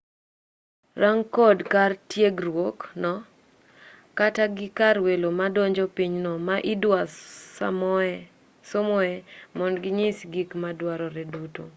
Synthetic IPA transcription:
raŋkɔdkartjeɡrwoknɔ | kataɡɪkarwelomadɔɲd͡ʒɔpiɲnɔmaʔɪdwasa̰mɔɛ | somɔɛmɔnɡɪɲisɡikmadwaɾɔɾɛduto̰

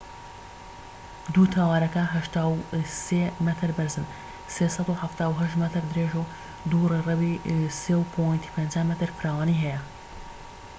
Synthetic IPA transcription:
d̪ut̪ʰawaːɾɐkɐɦɐʃt̪aːwsemɛt̪ʰɨɾbɨɾzɨn | seːsɑd̪uħaft̪aːwɦɐʃt̪mɐt̪ɨɾd̪ɨɾeːʒo | d̪urerɛbiseːwpʰojnt̪ʰi̥pʰend͡ʒaːmɛt̪ɨɾfɨɾaːwaːniɦɛjɛ

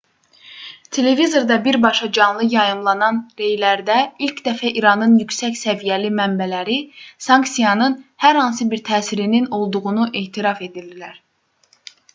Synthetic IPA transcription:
t̪ʰe̞le̞vizo̞ɾd̪ɑbiɾbɑʃɑd͡ʒɑnlˠɯjɑjɯmlˠɑnɑnɾe̞jlæɾd̪æilcd̪æfæʔiɾɑnɯnjycsæçsævijælimæmbælæɾisɑŋksijɑnɯnhæɾhɑns̬ɯbiɾt̪ʰæːsiɾinino̞lˠd̪uɣunuʔe̞ːt̪ʰiɾɑfe̞d̪ild̪ilæɾ̥

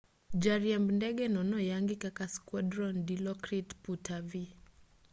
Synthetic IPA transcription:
d͡ʒaɾiambndɛɡɛnɔnɔjaŋɡikakaskwadɾɔndilɔkɾitputʰavi

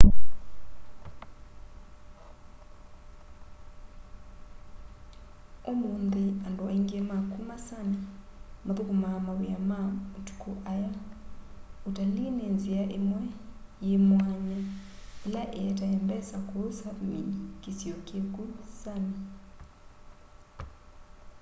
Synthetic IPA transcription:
omund̪ianduʔeŋɡemakʰumasanamapukumamaβujamamutu̥kʰuʔaja | utalinenziaʔemwɛjemwaɲaelaʔeɛtahɛmbɛsakosaminkisiokekusani

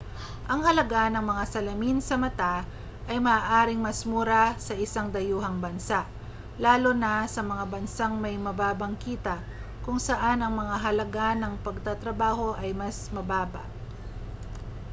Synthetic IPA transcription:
ʔɐŋhɐlɐɡanɐŋmɐŋasɐlɐminsɐmɐt̪a | ʔɐjmɐːʔaːɾɪŋmɐsmuːɾasɐʔɪsaŋd̪ɐjuːɦɐŋbɐnsaʔ | laːlo̞nɐsɐmɐŋabɐnsaŋmɐjmɐbaːbɐŋkiːt̪ɐ | kʊŋsɐʔanɐŋmɐŋaɦɐlɐɡanɐŋpɐɡ̚t̪at̪ɾɐbaːho̞ʔɐjmɐsmɐbaːbɐ̰ʔ

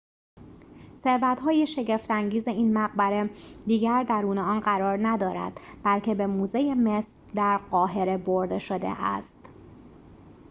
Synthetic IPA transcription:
se̞ɾbæt̪ɦɒːjeʃe̞ɟe̞ft̪æŋɟiːze̞iːnmæɣbæɾed̪iːɟæɾd̪æɾuːneɒːnɢæɾɒːɾnæd̪ɒːɾæ̰d̪̥b̥ælcʰe̞be̞muːze̞jeme̞sɾd̪æɾɢɒːɦe̞ɾe̞boɾd̪e̞ʃo̞d̪ḛʔæ̰st̪

